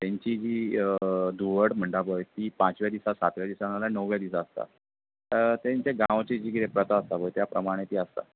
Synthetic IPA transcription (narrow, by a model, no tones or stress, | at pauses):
t̪jaɲt͡ɕiːd͡ʑiː | d̪uʋəʈm̤əɳɖabəjt̪iːpãt͡sʋjad̪isasat̪ʋjad̪isanalanəwʋjad̪isaəst̪a̰ | t̪jaɲt͡ɕeɡãʋt͡ɕed͡ʑiːɡiɾepɾət̪aəst̪abəjt̪japɾəmaɽ̃et̪iːəst̪a̰